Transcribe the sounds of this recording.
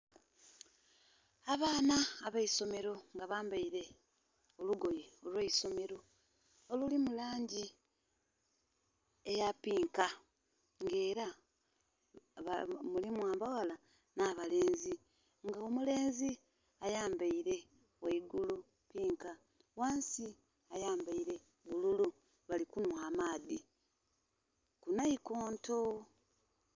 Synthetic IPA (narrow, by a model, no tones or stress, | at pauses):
aβaːnaːβaiso̞me̞ɾo̞ŋɡaβaːmbaiɾe̞ | oluɡo̞jeolweiso̞me̞ɾo̞ː | lulimulaːɲɟi | ejapiːŋka | ŋɡe̞ːɾa | βamulimwaːmbawala | naːβale̞ːnzi | ŋɡaomule̞ːnzi | ajaːmbaiɾe̞ | waiɡulu | piːŋka | waːnsi | ajaːmbaiɾe̞ | βululu | βalikunwaːmaːði | kunaiko̞ːnto̞